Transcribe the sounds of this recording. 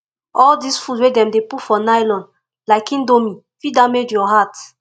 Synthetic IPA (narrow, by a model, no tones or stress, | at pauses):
ɔldisfudwedɛ̃mdepufɔnajlɔ̃nd | laɪkĩndomĩfidãmedjɔɦat